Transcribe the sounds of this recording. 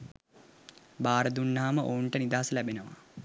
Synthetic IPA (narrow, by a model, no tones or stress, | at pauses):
baːɾəd̪unːaːməʔouɳʈənid̪aːsəlæbenəʋa̰